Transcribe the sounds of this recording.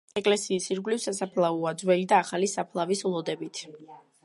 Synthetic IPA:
ɛkʼlɛsiːsiɾɡlifsasapʰlˠauad̪zwɛlid̪aːχalisapʰlˠavislˠɔd̪ɛbit̪ʰ

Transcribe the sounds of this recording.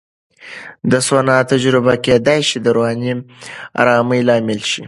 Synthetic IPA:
d̪əswanɑt̪ad͡ʒɾɪbaked̪ajʃid̪əɾoɦɑnima̰ɾɑːməjlɑmɪlʃi

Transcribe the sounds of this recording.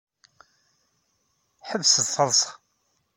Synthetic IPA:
ħəvːsəd̪θɑðˤs

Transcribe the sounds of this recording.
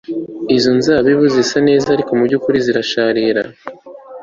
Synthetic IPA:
izonzaːβiβuzisane̞ːzahaɾikomuɾɟukuɾiziɾaʃaːɾiɾa̰

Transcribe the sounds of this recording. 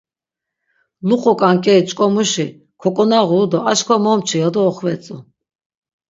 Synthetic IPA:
luqʼɔkʼaŋkʼɛit͡ʃʼkʼɔmuʃi | kʰɔkʼɔnaʁuːd̪ɔaʃkʰɔmɔmt͡ʃʰijɔd̪ɔːχvɛt͡sʼu

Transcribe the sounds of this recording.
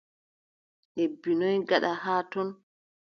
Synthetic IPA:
ʔebːinɔjɡaɗahaːtɔn

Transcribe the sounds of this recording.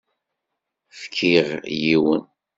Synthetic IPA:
fkʰːiʁjiwə̰n

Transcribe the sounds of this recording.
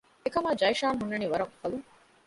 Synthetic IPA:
ekɐmaːd͡ʒɐjʃaːnɦunːɐniʋɐɾɐŋfɐluŋ

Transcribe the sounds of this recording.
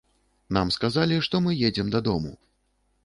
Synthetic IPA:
namskazalʲiʂt̪ɔmɨjɛd͡zʲɛmd̪ɐd̪ɔmṵ

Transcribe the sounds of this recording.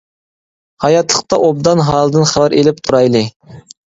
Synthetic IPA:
hɑjɑt̪lˠəq̚t̪ɑʔob̚d̪ɑnɦɑːlˠɨd̪ɨnχævæɾʔelɪp̚t̪ʰuɾɑjlˠɨ

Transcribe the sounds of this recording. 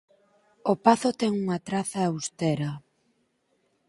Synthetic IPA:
opaθot̪ɛŋuŋat̪ɾaθaːwst̪eɾɐ

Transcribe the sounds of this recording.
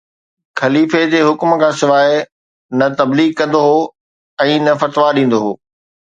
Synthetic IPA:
xɐliːfed͡ʑeːɦʊkm̆kʰãːsɪʋaːɪ | nɐt̪ɐbliːɡ̚kɐ̃nd̪oɦoː | ɛ̃ːnɐfɐt̪ʋaɗĩːn̆d̪oɦoː

